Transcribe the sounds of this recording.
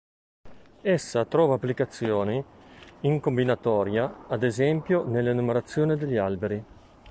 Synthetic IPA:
esːat̪ɾɔːvaːpːlikat̪sːjoːniiŋkombinat̪ɔːɾjaːd̪ezɛmpjonelːenumeɾat̪sːjoːnid̪eʎːialbeɾi

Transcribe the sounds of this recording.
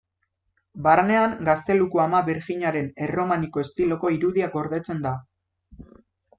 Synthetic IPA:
barne̞aŋɡast̪e̞lukuamaβiɾxiɲaɾe̞ne̞ro̞maniko̞est̪ilo̞ko̞iɾuðiako̞ɾðe̞t͡se̞nd̪a

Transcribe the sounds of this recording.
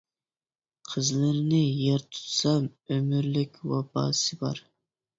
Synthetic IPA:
qʰəzlɪɾnɪjeɾt̪ʰu̥t̪sɑmømɪɾlɪkʲwɑbɑ̰ːsɨbɑɾ

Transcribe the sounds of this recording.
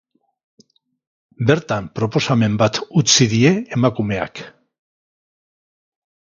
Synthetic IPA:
be̞ɾt̪ampɾo̞po̞same̞mbat̪ut͡siðie̞ːmakume̞a̰k

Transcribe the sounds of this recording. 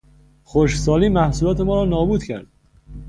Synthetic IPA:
xoʃsɒːliːmæhsuːlɒːt̪ʰe̞mɒːɾɒːnɒːbuːd̪cʰæ̰ɾd̪̥̚

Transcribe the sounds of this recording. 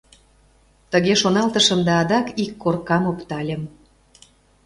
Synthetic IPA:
t̪əɣeʃonɑlt̪əʃəmd̪ɑːd̪ɑkikːorkɑmopt̪ɑlʲə̆m

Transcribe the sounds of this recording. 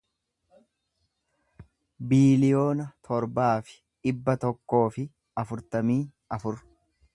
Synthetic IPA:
biːlɪjo̞ːnɐt̪ʰɔɾbaːfɪ̥ | ᶑɪbːɐt̪ɔkːo̞ːfɪ | ɐfʊɾt̪ɐmiː | ɐfʊɾ

